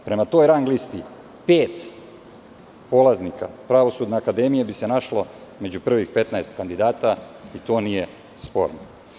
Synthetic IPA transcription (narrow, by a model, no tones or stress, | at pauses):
pɾe̞mat̪o̞ːjɾaŋɡlist̪i | peːt̪ | po̞laznika̰pɾaʋo̞suːd̪neakad̪e̞mijebise̞naʃloimed͡ʑupr̩ːʋixpe̞t̪naest̪kand̪id̪aːt̪a | it̪o̞ːnije̞ | spo̞̰ɾno